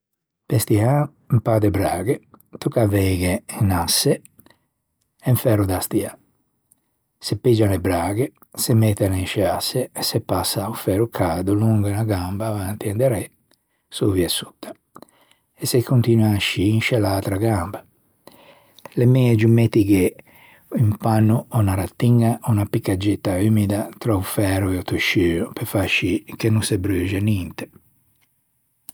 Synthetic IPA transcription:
pɛst̪ia | mpad̪ɛbɾaːɡet̪ukavɛːɡɛɛnasːɛ | ɛɱfɛɾud̪ast̪ia | sepːid͡ʒanɛbɾaːɡe | semɛt̪ːɛnɛinʃɛasːɛːsɛpːasːaufɛːɾukʰaːd̪uluŋɡanaɡambaːvant̪iɛnd̪ɛɾɛ | soviɛsu̥t̪ʰːḁ | ɛsekʰːunt̪inuaʃːiːnʃɛlat̪ɾaɡamba | lemɛed͡ʒumet̪ːiɡe | impanːuɔnaɾat̪ːiŋɡaʔunapikːad͡ʒːet̪ːaymid̪at̪ɾɔufɛɾuɛɔt̪uʃːyːupefaʃikenunsebɾøːd͡ʒɛnint̪e̥

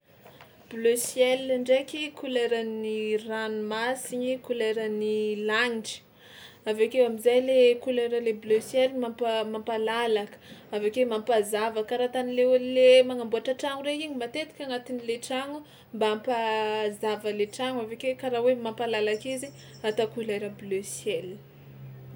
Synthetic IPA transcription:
b̥løsjɛlaɳɖ͡ʐekikʰulejɾaniranumasiɲikulajɾənilaɲiʈ͡ʂi̥ | avekewamizajlekuleɾəlebløsjɛlmampmampalalakə̥avekemampazavakaɾat̪anileelemaŋambuaʈ͡ʂaʈ͡ʂaŋuɾeiɲimat̪et̪i̥kʲaŋat̪inileʈ͡ʂaŋu | mbaampazavəleʈ͡ʂaŋavekewkaɾawemampalalakizi | at̪akulajɾəbløsjɛl

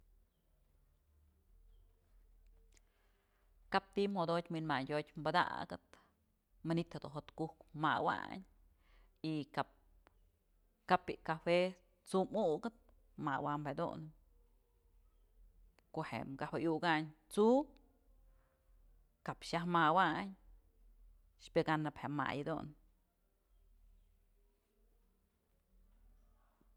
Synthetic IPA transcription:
kap̚t̪imhod̪ot̪ʲminmaɲdʲotʲmbad̪a̰ɡɨt̪ | manit̪hed̪ṵnɦot̪kuhkmawa̰ɲ | ikap̚ | kapiʔkafe | t͡sumuɡɨt̪̚ | mawamed̪ṵn | kohḛmɡawejuɡaɲt͡su | kapʃahmawaɲ | ʃpɨɡanɨphema̰jd̪ṵn

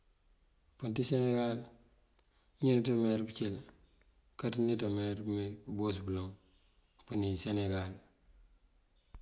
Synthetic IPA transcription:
puntiseneɡal | ɲintomeɾbut͡ʃel | katnitomeɾbumibubos̬buloŋ | puniseneɡal

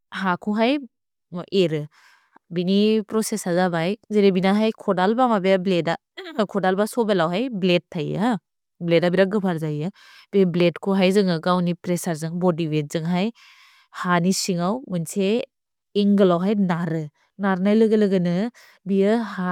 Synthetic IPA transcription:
hakʰuɦaj | ʔeɾɯ | binipɾɔsesazabajzeɾebinaɦajkʰɔdalbamabeableda | kʰɔdalbasɔbelawɦajblet̚tʰːaja | bledabiɾaɡɯpʰaɾzajɯ | b̥ebletkʰuɦajzɯŋɯɡawnipɾesaɾzɯŋbodibet̚zɯŋɦaj | hanisiŋawmɯnseː | ŋɡɯlawɦajnaɾɯ | naɾnajlɯɡɯlɯɡɯnɯ | bijɯha

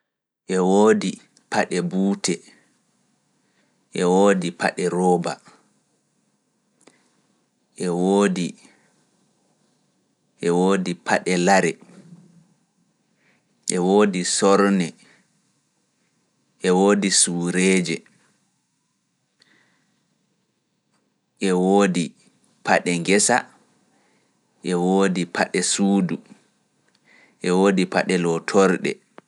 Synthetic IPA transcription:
ʔɛwoːdi | paɗɛbuːtɛ | ʔɛwoːdipa̰ɗɛɾɔːba̰ | ʔɛwoːdi | ʔɛwoːdipʰaɗɛlaɾɛ | ʔɛwoːdisɔɾnɛ | ʔɛwoːdisuːɾeːd͡ʒɛ | ʔɛwoːdi | pʰaɗɛŋɡɛsa | ʔɛwoːdipʰaɗɛsuːdu | ʔɛwoːdipa̰ɗɛlɔtʰɔɾɗɛ̰

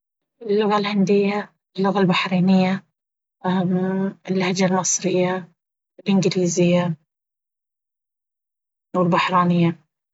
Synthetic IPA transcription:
ʔɪlːʊɣalhand̪ɪjːa | ɪlːʊɣalbaħɾiːnɪjːa | mɪlːahad͡ʒalmɨsˤɾɪjːa | ɪlʔɪnɡɪliːzɪjːa | wɪlbaħɾˤɑːnɪjːa

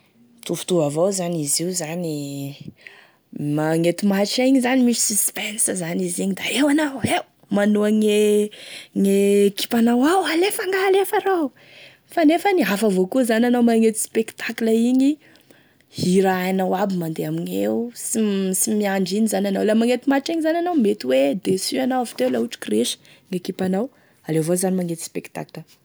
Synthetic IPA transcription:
t̪ufu̥t̪uvavowzaniziuzani | maŋet̪umaʈ͡ʂaiɲizanimisi̥sispɛnszaniziɲid̪aewanawew | manuaŋe | ŋeki̥panawawalefaŋɡaːlefaɾaw | fanefəniafəvokuzanʲanawmaŋet̪i̥spekt̪akləiɲi | hiɾaajnawabimand̪eamiɲḛwusisimiaɳɖ͡ʐiɲizanʲanawlamaŋet̪imaʈ͡ʂiɲizananawmet̪iwed̪esyanawavi̥t̪ewlauʈ͡ʂi̥kreʃə̥ | ŋekipanaw | alevozanimaŋet̪i̥spekt̪a̰kilə

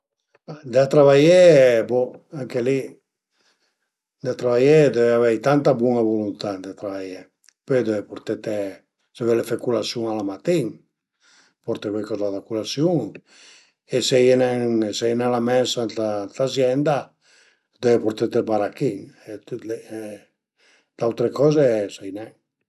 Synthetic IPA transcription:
ad̪eat̪ɾaβajeboaŋkeli | d̪eat̪ɾaβajed̪eveavɛjt̪ant̪abwuŋavolunt̪ad̪et̪ɾaβaje | ped̪evepoɾt̪et̪e | sevelefekulasjuŋalamat̪iŋ | pɔɾt̪ekekɔzaðakulasjuŋ | esejenɛŋsejnalamɛnsant̪at̪azjɛnd̪a | d̪evepoɾt̪et̪elbaɾakiŋet̪ut̪le | d̪̥awt̪ɾekɔzesajnɛŋ

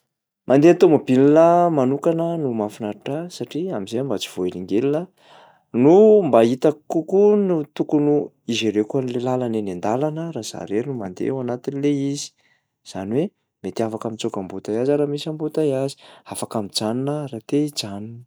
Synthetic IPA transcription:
mʔand̪eant̪omabilinəmanukanənumafinaɾiʈ͡ʂasaʈ͡ʂiamizeambat͡si̥v̥oeliŋɡelinə | numbait̪akːukunut̪ukunu | izeɾekuanlelalanenend̪alanəɾaz̥a̰ɾeɾinumand̪ḛwanat̪inileizi̥ | z̥a̰niwe | met̪iafakamit͡sokambut̪ajazaɾamisambut̪ajazi̥afakamid͡zaninəɾat̪ed͡zaninə

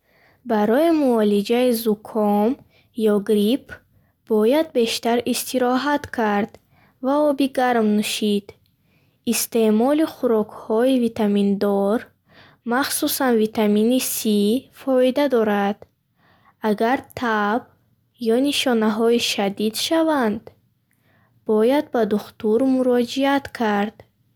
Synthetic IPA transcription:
baɾɔimuɔlid͡ʒaizukʰɔm | jɔɡɾipʰ | b̥ɔjad̪̚be̞ʃt̪aɾist̪iɾɔɦat̪kʰaɾd̪ | vaɔbiɡaɾmnuʃid̪̥ | ist̪e̞mɔliχuɾɔkhɔivit̪ʰamind̪ɔɾ | maχsusanvit̪ʰaminisifɔid̪ad̪ɔɾad̪̥ | aɡaɾt̪ʰab | jɔniʃɔnaɦɔiʃad̪id̪ʃavand̪ | b̥ɔjad̪̚bad̪uχt̪uɾmuɾɔd͡ʒiat̪kʰaɾd̪̥

